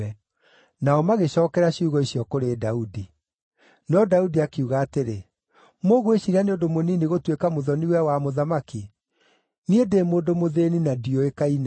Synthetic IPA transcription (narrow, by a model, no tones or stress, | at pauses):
ɛ | naɔmaɣeɕɔːkɛɾaɕiuɣɔiɕijɔkoɾeːdaudi | nɔdaudiakeuɣaːteɾe | moɣoeɕiɾaneodomonineɣotwekamoðɔniwɛwamoðamaki | niedemoːdomoðeninadiɔekaina